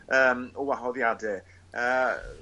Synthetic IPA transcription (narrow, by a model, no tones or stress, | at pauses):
əːmɔwaɦɔðjadɪ | əː